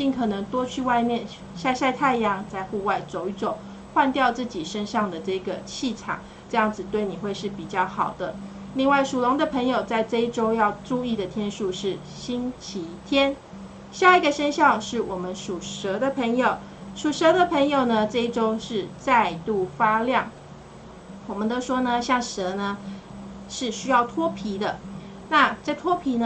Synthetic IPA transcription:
t͡ɕi˥˩ŋkʰɤ˨˩nɤ˧˥ŋt̪wɔ˥t͡ɕʰy˥˧wa˥˧ɪmjɛ˥˨˩n | ɕa˥˧ɪɕa˥˧ɪt̪ʰa˥˩ɪjɑ˧˥ŋt͡sa˥˧ɪxu˥˧wa˥˩ɪt͡so˨˩ʊi˥˩ʈ͡ʂʊ˨˩˦ŋ | xwa˥˧nt̪jɑ˥˧ʊt͡sɹ̩˥˩t͡ɕi˨˩ʂə˥nʂɑ˥˩ŋd̪ə˩ʈ͡ʂɤ˥˩i˧˩ɡə˩t͡ɕʰi˥˩ʈ͡ʂʰɑ̰˨˩˦ŋ | ʈ͡ʂɤ˥˧jɑ˥˩ŋd͡zɹ̩˨˩t̪we˥˩ɪni˨˩xwe˥˧ɪʂɻ̩˥˩pi˨˩t͡ɕjɑ˥˩ʊxɑ˨˩ʊd̪ə˦ | li˥˧ŋwa˥˩ɪʂu˨˩lʊ˧˦˥ŋd̪ə˨pʰɤ˧˥ŋjo˨˩ʊt͡sa˥˧ɪʈ͡ʂɤ˥˧i˥˩ʈ͡ʂo˥ʊjɑ˥˧ʊʈ͡ʂu˥˧i˥˩d̪ə˩t̪ʰjɛ˥nʂu˥˧ʂɻ̩˥˩ | ɕi˥nt͡ɕʰi˧˥t̪ʰjɛ˥n | ɕja˥˧i˧˥ɡə˨ɕə˥nɕjɑ˥˧ʊʂɻ̩˥˩wɔ˨˩mə˦nʂu˨˩ʂɤ˧˥d̪ə˧pʰə˧˥ŋjo˨ʊ | ʂu˨˩ʂɤ˧˥d̪ə˧pʰə˧˥ŋjo˨˩ʊnə˩ʈ͡ʂɤ˥˧i˥˩ʈ͡ʂo˥ʊʂɻ̩˥˧t͡sa˥˧ɪt̪u˥˩fa˥ljɑ˥˩ŋ | wɔ˨˩mə˦nt̪o˥ʊʂwɔ˥nə˨ɕjɑ˥˩ŋʂə˧˥nə˧ | ʂɻ̩˥˩˧ɕy˥jɑ˥˩ʊt̪ʰwɔ˥pʰi˧˥d̪ə˧ | na˥˧ʈ͡ʂt̪ʰwɔ˥pʰi˧˥n˧

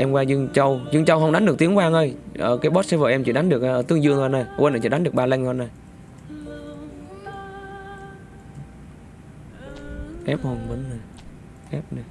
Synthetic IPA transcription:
ʔɛ˧mkwaː˧zɨ˧əŋt͡ɕə˧wzɨ˧ŋt͡ɕə˧wɦə˧wŋ͡mɗa˨˦ŋɗɨ˨˩ək̚ti˨˦əŋkwaː˧ŋʔə˧jʔəː˧˩kaː˨˦jɓo˦˥t̚sɛ˧˥vəː˧˩ʔɛ˧mt͡ɕḭ˧˩ɗa˨˦ŋ̟ɗɨ˨˩ək̚ʔʔəː˧˩t̪ɨ˧əŋzɨ˧əŋː˧nːa˨˩jʔwnaː˨˩t͡ɕḭː˧˩ɗŋɗɨ˨˩ək̚ɓaː˧la˧jŋa˧na˨˩j | ʔɛ˦˥p̚ho˨˩nmə˨˦nna˨˩ | ʔɛ˦˥p̚na˨˩j

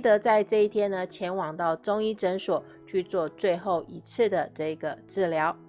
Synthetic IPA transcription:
t̪ɤ˧˥t͡sa˥˧ɪʈ͡ʂɤ˥˧i˥˩t̪ʰjɛ˥nnə˨t͡ɕʰjɛ˧˥nwɑ˨˩ŋt̪ɑ˥˩ʊʈ͡ʂʊ˥ŋi˥ʈ͡ʂə˧˥nʂwɔ˨˩˦ | t͡ɕʰy˥˧t͡swɔ˥˧t͡swe˥˧ɪxo˥˩ʊʔi˧˥t͡sʰɹ̩˥˩d̪ə˩ʈ͡ʂɤ˥˩i˧˥˩ɡə˩ʈ͡ʂɻ̩˥˩ljɑ˧˥ʊ

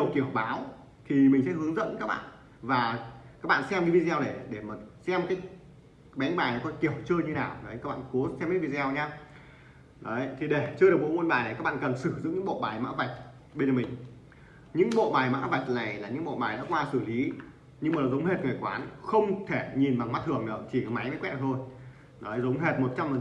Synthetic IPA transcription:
wki˧˩əwɓaː˨˦w | t̪ʰi˨˩mï˨˩ŋ̟sɛ̰˧˥hɨ˨˦əŋzə̰˧˥nkaː˦˥k̚ɓa̰ː˧˨n | vaː˨˩kaː˦˥k̚ɓa̰ː˧˨sɛ˧mki˨˧˦vi˧zi˧wɗe˧˩ɗe˧˩maː˨˩sɛ˧mkaː˨˦j | ɓɛ˨˦nɓaː˨˩jnɔ˨˦kɔ˧˦nki˧˩əwt͡ɕɨ˧ɲɨ˧naː˨˩wnɔ˨˦ja˦˥k̚ɓa̰ː˧˨ku˨˦sɛ˧mkːvi˧zɛ˧wɲa˧ | ɗə˨˦ə˧˨t̪ʰi˨˩ɗe˧˩t͡ɕɨ˧ɗɨ˨˩ku˨˦ŋo˧nɓaː˨˩na˨˩ka˦˥k̚ɓa̰ː˧˨˧kə˨˩nsɨ˧˩zɨ̰˧˨ŋɲɨ̰˧˥ɓo̰˧˨ɓaː˨˩jma̰ː˧˥va˨˩jk̚ | ɓe˧nə˨˩mï˨˩ŋ̟ | ɲɨ̰˧˥ŋɓo̰˧˨ɓaː˨˩jma̰ː˧˥və˨˩jt̚na˨˩jlaː˨˩ɲɨ̰˧˥ŋɓo̰˧˨ɓaː˨˩jnɔ̰˧˥kwaː˧sɨ˧˩li˨˦ | ɲɨ˧ŋmː˨˩la˨˩zə˨˦wŋ͡mhe˨˩t̚ŋaː˨˩kwaː˨˦nxə˧wŋ͡mt̪ʰe˧˩ɲi˨˩nɓa˨˩ŋm˦˥t̚t̪ʰɨ˨˩əŋɗəː˨˧˩t͡ɕi˧˩˨ma˨˦jma˨˦jkwɛ̰˧˥t̪ʰo˧j | nɔ˨˦jzə˨˦wŋ͡mɦe˨˩t̚mo˨˩t̚t͡ɕa˧mə˨˩

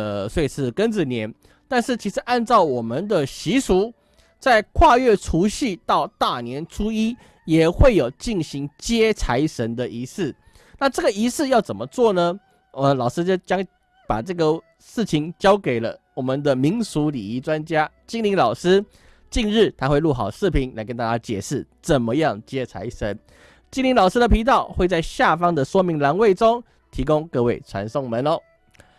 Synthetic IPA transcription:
swe˥˩i˨˩sɹ̩˥˩kə˦nd͡zə˨˩njɛ˧˥n | t̪a˥˧nʂɻ̩˥˩t͡ɕʰi˧˥ʂɻ̩˧˦ʔa˥˧nt͡sɑ˥˩ʊwɔ˨˩mə˨nd̪ə˨ɕi˧˥su˧˥ | t͡sa˥˧ɪkʰwa˥˧ɥɛ˥˩ʈ͡ʂʰu˧˥ɕi˥˧t̪ɑ˥˧ʊt̪a˥˩njɛ˧˦nʈ͡ʂʰu˥i˥ | jɛ˨˩xwe˥˩ɪjo˨˩ʊt͡ɕi˥˩nɕi˧˥ŋt͡ɕjɛ˥t͡sʰa˧˥ɪʂə˧˥nd̪ə˨ʔi˧˥sɹ̩˥˩ | na˥˧ʈ͡ʂɤ˥˩ɡə˨˩i˧˥sɹ̩˥˧jɑ˥˩ʊt͡sə˨˩nmə˦t͡swɔ˥˩nə˩ | ə˧˩lɑ˨˩ʊʂɻ̩˥t͡ɕjo˥˧ʊt͡ɕjɑ˥ŋ | pa̰˨˩ʈ͡ʂɤ˥˩ɡə˩ | ʂɻ̩˥˩t͡ɕʰi˧˥ŋt͡ɕjɑ˥ʊke˨˩ɪlə̰˦wɔ˨˩mə˨nd̪ə˨mi˧˥ŋsu˧˦lḭ˨˩i˧˥ʈ͡ʂwa˦nt͡ɕja˥ | t͡ɕi˥ŋli˧˥ŋlɑ˨˩ʊʂ̩˥ | t͡ɕi˥˧nɻ̩˥˩t̪ʰa˥xwe˥˧ɪlu˥˩xɑ˨˩ʊʂɻ̩˥˩pʰi˧˥ŋla˧˥ɪkə˧˥nt̪a˥˩t͡ɕja˥t͡ɕjɛ̰˨˩ʂɻ̩˥˩t͡sə˨˩nmə˦jɑ˥˨ŋt͡ɕjɛ˥t͡sʰa̰˧˥ɪʂə˧˦n | t͡ɕi˥ŋnli˧˥ŋlɑ˨˩ʊʂɹ̩˥d̪ə˨pʰi˧˥t̪ɑ˥˩ʊxwe˥˧t͡sa˥˧ɪɕja˥˨fɑ˥ŋd̪ə˨ʂwɔ˥mi˧˥ŋla˧˥nwe˥˩ɪʈ͡ʂo˥ŋ | t̪ʰi˧˥kʊ˦ŋkɤ˥˧we˥˩ɪt͡sʰwa̰˧˥nso˥˩ŋmə˨˦nɔ˨˧˦

